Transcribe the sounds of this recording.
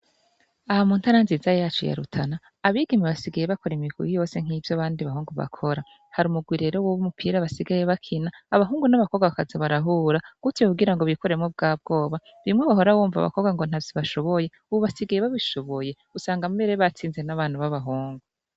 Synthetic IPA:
ahamuntaɾanziːzajat͡ʃo̰ja̰ɾṵtʰanaː | βiɡimiβasiɡajeβakoɾimikṵjijo̞ːse̞ŋ̥hiːvjaβaːndiβaɦuːŋɡuβa̰kʰo̞ɾa | haɾumuɡwiɾe̞ɾowoβumupʰiːɾaβasiɡaje̞βakʰinaːβaɦuːŋɡunaβako̞ɡaβakazaβaɾaɦuːɾaɡ̥utiokuɡiɾaŋɡoβikoɾemŋob̚ɡaːb̚ɡo̞ːβa | βiimŋweβaɦo̞ɾawuːɱva̰βa̰ko̞ɡaŋɡo̞n̥avjiβaʃo̞βo̞je | uβoβasiɡajeβaβiʃo̞βo̞je̞ | usaːŋɡamumeɾeβat͡siːnze̞naβaːnuβaβaɦuːŋɡu

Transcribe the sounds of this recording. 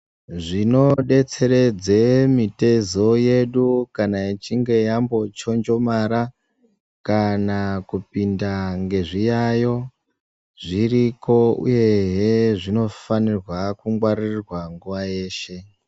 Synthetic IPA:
ʐino̞ɗe̞t͡se̞ɾe̞d͡zemite̞zo̞je̞ɗukanait͡ʃiŋɡe̞jambo̞t͡ʃo̞nd͡ʒo̞maɾa | kanakupindaŋɡe̞ʐijajo̞ | ʐiriko̞ṵje̞ɦeʐino̞fanirwakuŋɡwaɾirirwaŋɡuʋaje̞ːʃe̞

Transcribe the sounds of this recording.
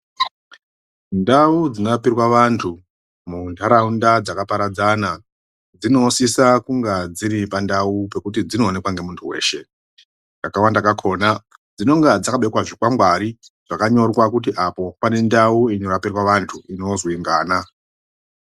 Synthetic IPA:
ndaud͡zinapirwaʋantʰu | mundʰaɾaundad͡zakapaɾad͡zana | d͡zino̞sisakuŋɡad͡ziɾipandaupe̞kut̬id͡zino̞ːne̞kwaŋɡe̞muntʰuwe̞̰ːʃe̞ | ŋkakawandakakʰo̞ːna | d͡zino̞ŋɡad͡zakaɓeikwaʐikwaŋɡwaɾi | ʐ̥akaɲo̞rwakut̬iʔapo̞pane̞ndauino̞rapirwaʋantʰuino̞ziŋɡaːna

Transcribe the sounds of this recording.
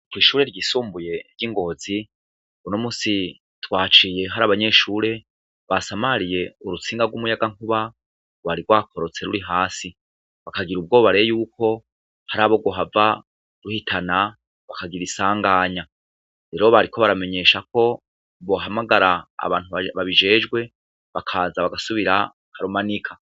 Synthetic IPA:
kwiːʃuːɾe̞ɾɟisuːmbuje̞ɾɟiŋɡo̞zi | unomusi | twaːt͡ʃije̞ɦaɾaβaɲe̞ʃuːɾe̞ | βasamaɾije̞uɾut͡siːŋɡaɾɡwumujaɡaŋ̥huβa | waɾiɡwaːkʰo̞ɾo̞t͡se̞ɾuɾiɦaːsi | βakaɡiɾub̚ɡo̞ːβaɾejuːkʰo̞ | haɾaːβoɡoɦava | ɾuhitʰana | βakaɡiɾisaːŋɡaːɲa | ɾe̞ɾo̞βaɾiko̞βaɾame̞ɲe̞ːʃako̞ | βo̞ɦamaɡaɾa̰ːβaːntuβaβaβiʒe̞ːd͡ʒɡwe̞ | βakʰaːzaβaɡasuβiɾa | kaɾumanikʰḁ

